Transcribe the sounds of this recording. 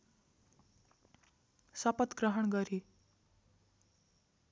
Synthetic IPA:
sʌpət̪ɡɾəɦəɳɡʌɾi

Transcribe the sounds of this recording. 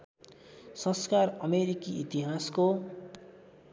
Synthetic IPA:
sʌ̃skarʌmeɾikiit̪iɦasko

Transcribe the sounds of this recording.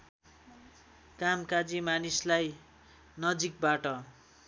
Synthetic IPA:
kamkad͡zimanislaj | nʌd͡zik̚baʈʌ

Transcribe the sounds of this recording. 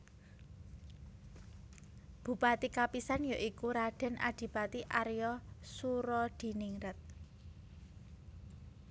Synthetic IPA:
b̥ṳpat̪ikapisanjaʔikuɾaɖ̥ɛ̤nʔa̰d̪̥i̤pat̪iʔaɾjɔsuɾɔd̪̥i̤niŋɾət̪̚

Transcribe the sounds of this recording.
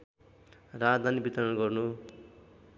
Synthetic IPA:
rad̪ʱanibit̪ʌɾʌnɡʌrnu

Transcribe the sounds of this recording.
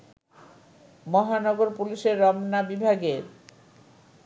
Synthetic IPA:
mɔɦanɔɡoɾpuliʃeɾːɔmnabibʱaɡeɾ

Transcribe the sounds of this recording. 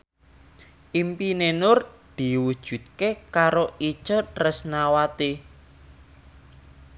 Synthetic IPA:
ʔimpinenʊrd̪̥i̤wud̥ʒ̥ṳt̪̚kekaɾoit͡ʃərəsnawat̪e

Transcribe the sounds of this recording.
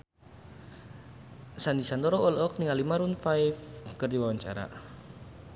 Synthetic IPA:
sand̪isand̪ɔɾɔɔlɔk̚niŋalimaɾunfajfkərd̪iwawaɲt͡ʃa̰ɾa̰

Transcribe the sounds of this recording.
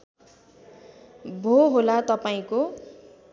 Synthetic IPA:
bʱoɦolat̪ʌpaĩko

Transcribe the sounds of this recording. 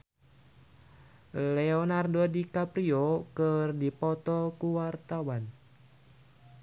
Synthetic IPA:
leɔnardodikapɾiokərdipɔt̪ɔkuwart̪awan

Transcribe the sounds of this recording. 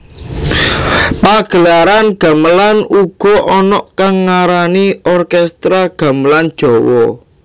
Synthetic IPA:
paɡ̥ə̤laɾanɡ̥a̤məlanuɡ̥ɔ̤ʔɔnɔʔkaŋːaɾaniɔrkɛst̪ɾaɡ̥ä̤məland̥ʒ̥ɔ̤wɔ̰

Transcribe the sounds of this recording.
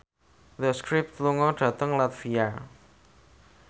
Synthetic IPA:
d̪əskɾɪp̚t̪luŋɔɖ̥ä̤t̪əŋlat̪fijar

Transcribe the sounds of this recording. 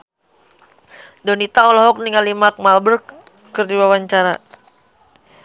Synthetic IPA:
dɔnit̪aɔlɔɦɔk̚niŋalimak̚malbər | kərdiwawaɲt͡ʃaɾa

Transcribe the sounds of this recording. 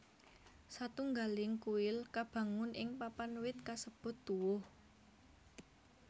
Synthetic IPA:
sat̪uŋɡalɪŋkuɪlkab̥ä̤ŋʊnʔɪŋpapanwɪt̪̚kasəb̥ʊ̤t̪ːuwʊh

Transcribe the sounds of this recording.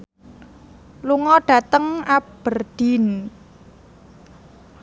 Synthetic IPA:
luŋɔɖ̥ä̤t̪əŋab̥ərd̪̥i̤n

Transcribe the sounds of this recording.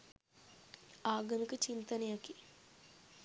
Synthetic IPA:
aːɡɐmikət͡ʃint̪ɐnejaki

